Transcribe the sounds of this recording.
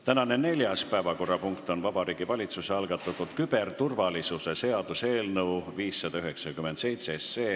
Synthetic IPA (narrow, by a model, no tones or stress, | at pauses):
t̪ænɑne̞ne̞lʲjɑspæevɑko̞rːɑpuŋkt̪ˑo̞nvɑb̥ɑɾiːɡ̥ivɑlʲit̪suseɑlɡ̥ɑt̪ːˑɑt̪ːud̪̥kyb̥ert̪urvɑlisuse̞se̞ɑd̪̥use̞ːlnɤwviːsːɑd̪̥ɑyɦe̞ksɑkymend̪se̞jt̪seese̞ː